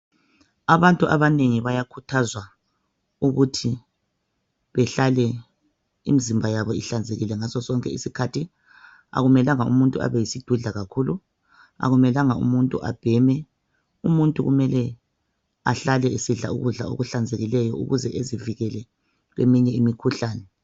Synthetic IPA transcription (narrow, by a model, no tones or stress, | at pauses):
aβantʼuʔaβaneŋiβajakʰutʰazwa | uɣutʰi | βɛɬalɛ | ḭmizimbʱajaβɔiɬand͡zʱeɣilɛŋasɔsɔŋkʼɛ̰isikʰatʰi | a̰ɣumɛlaŋaṵmuntʼua̰βɛjisid̥ʱuɮaɣakʰulu | a̰ɣumɛlaŋaṵmuntʼuʔa̰b̥ʱɛmɛ | umuntʼuɣumɛlɛ | a̰ɬalɛisiɮaṵɣuɮa̰o̰ɣuɬand͡zʱeɣilɛjɔṵɣuzɛʔeziviɣɛlɛ | ɣwḛmiɲɛimikʰuɬaːnɛ